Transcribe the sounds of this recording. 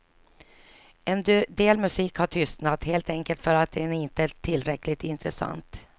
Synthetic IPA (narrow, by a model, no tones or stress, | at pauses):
ɛnd̪eːlmɵsiːkhaʈʰʏst̪nat̪heːlt̪ɛŋkəlt̪fœɾat̪̚d̪ɛæɪnt̪ət̪ʰɪlːɾɛkːlɪt̪ɪnt̪ɾəsa̰nt̪